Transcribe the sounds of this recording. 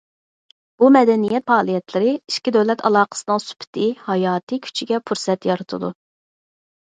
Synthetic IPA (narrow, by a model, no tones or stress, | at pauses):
b̥umɛd̪ɛnijɛt̪̚fɑːlˠijɛt̪ʰlɪɾɪiʃkʲid̪ɛwlɛt̪ʰɑlˠɑːqə̥sɨnɨŋsy̥pʰɪ̥t̪ʰɪhɑjɑːt̪ʰɨkʲʰy̥t͡ʃʰiɡʲɛpʰuɾsɛt̪jɑɾɨt̪ʰɨ̰d̪u